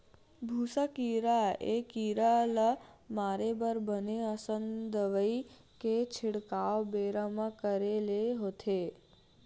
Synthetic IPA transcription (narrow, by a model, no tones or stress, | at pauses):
bʱusakiɾaekiɾalamaɾebəɾbəneəsənd̪əʋəi | ket͡ʃʰɪɽkaʋbeɾamakəɾeleɦot̪ʰe